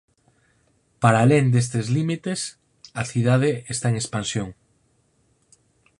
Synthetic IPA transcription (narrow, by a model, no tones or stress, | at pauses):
paɾaleŋd̪es̬t̪ezlimit̪es | aθið̞að̞eest̪aeŋespansjoŋ